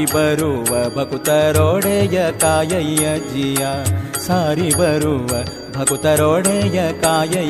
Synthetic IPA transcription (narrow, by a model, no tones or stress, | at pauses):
ibɐɾuʋɐbʱɐkut̪ɐɾoːɽeːjɐkaːjɐjjɐd͡ʒijaːsaːɾibɐɾuʋɐ | bʱɐkut̪ɐɾoːɽeːjɐkaːjɐ